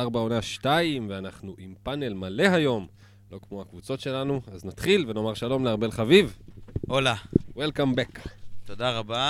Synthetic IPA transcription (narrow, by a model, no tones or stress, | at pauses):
aʁbao̞naʃtaimveanaχnuʔimpane̞lmale̞ɦajo̞m | lo̞kmo̞hakvut͡so̞tʃe̞lanuaznat̪χilve̞no̞maʁʃalo̞mleaʁbelχavivʔolawelkambekt̪od̪aʁaba